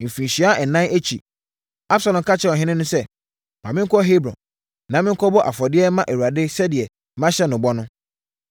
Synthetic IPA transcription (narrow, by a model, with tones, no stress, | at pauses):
m̩˨fĩ˨ɕi˨a˦ʔɛ˨nːã˦ne˦t͡ɕʰi˨ | a˦b̥sa˨lɔ̃˨m˨kʰa˦t͡ɕʰɛ˦˨ɔ˨ɦɪ̃˦nɪ̃˦nʊ̃˦sɛ˦ | mã˨mɪ̃˦ŋ̩˦kʰɔ˦ɦe˦bɾɔ̰̃˨n | nã˨˦mɪ̃˦ŋ̩˦kʰɔ˦bɔ˦ʔa̰˨fɔ˨dɪ˦ɛ˦mã˦ʔe˨wu˨a˨dɪ˦sɛ˦dɪ˨ɛ˨˦ | mã˦ɕɛ˦nʊ̃˨bɔ˦nʊ̃˦